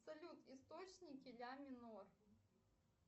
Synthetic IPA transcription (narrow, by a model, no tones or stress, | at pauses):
sɐlʲut̪ist̪ot͡ɕnʲikʲilʲamʲɪnɔr